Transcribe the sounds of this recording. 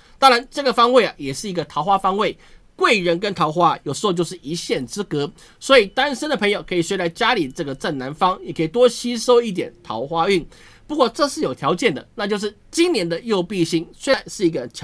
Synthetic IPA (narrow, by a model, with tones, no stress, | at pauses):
t̪ɑ˥ŋɻa˧˦nʈ͡ʂɤ˥˩ɡə˩fɑ˥ŋwe˥˩ɪɐ˨˩jɛ˨˩ʂɻ̩˥˩i˧˥ɡə˨˧t̪ʰɑ˧ʊxwa˥fɑ˥ŋwe˥˩ɪkwe˥˩ɪɻə˧˦nkə˦˥nt̪ʰɑ˧˥ʊxwa˥jo˨˩ʂɻ̩˧˥xo˥˧t͡ɕjo˥˧ʊʂɻ̩˥˩i˧˥ɕjɛ˥˩nt͡sɹ̩˥kɤ˧˥ | swɔ˧˥i˨˩t̪a˥nʂə˥nd̪ə˨pʰə˧˥ŋjo˨˩ʊkʰɤ˧˥i˨˩swe˥ɪɾa˥˩ɪt͡ɕja˥li˨˩ʈ͡ʂɤ˥˩ɡə˩ʈ͡ʂa˥˩nna˧˦nfɑ˥ŋjɛ˨˩kʰɤ˧˥i˨˩t̪̬wɔ˥ɕi˥ʂo˥ʊi˥˩t̪̬jɛ̰˨˩nt̪ʰɑ̰˧˥ʊxwa˥y˥˩n | pu˧kwɔ˥˩ʈ͡ʂɤ˥˧ʂɻ̩˥˩jo˨˩ʊt̪ʰjɑ˧˥ʊt͡ɕjɛ˥˩nd̪ə˩na˥˧t͡ɕjo˥˧ʊʂ̬ɻ̩˥˩t͡ɕi˥ŋnjɛ˧˥nd̪ə˨jo˥˧ʊpi˥˧ɕi˥ŋswe˥˧˩nʂɻ̩˥˩i˧˥ɡə˧t͡ɕʰ